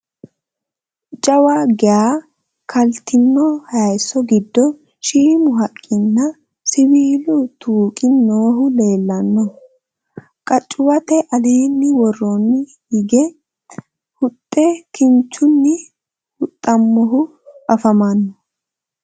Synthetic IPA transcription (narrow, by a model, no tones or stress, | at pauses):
t͡ʃʼɐwaɡɛaː | kʰɐlt̪ɪnːɔhɐɐjsːɔɡɪd̪ːɔ | ʃiːmʊɦɐkʼːɪnːɐ | sɪwiːlʊt̪ʰuːkʼɪnːoːɦʊle̞ːlːɐnːɔ | kʼɐt͡ʃʼːʊwɐt̪ɛʔɐle̞ːnːɪwɔrːɔnːɪ | hɪɡɛ | hʊt̪ʼːɛkɪnt͡ʃːʊnːɪ | hʊt̪ʼːɐmːɔɦʊ | ʔɐfɐmɐnːɔ